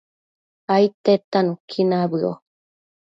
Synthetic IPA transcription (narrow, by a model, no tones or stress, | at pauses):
ait̪et̪anũkʰinabɯo̰